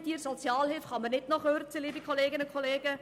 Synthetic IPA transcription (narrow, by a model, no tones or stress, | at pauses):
t̪iːɾsot͡sjɑːlhɪlfχɑmənɪtnɔχøːɾt͡siliːbikʰχoleːɡɪnəkʰχoleːɡ̥ə